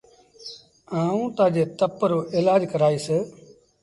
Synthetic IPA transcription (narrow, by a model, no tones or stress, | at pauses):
aːũːt̪ãːd͡ʒeːt̪əpːəɾoːʔeːlaːd͡ʒkəɾaːiːseː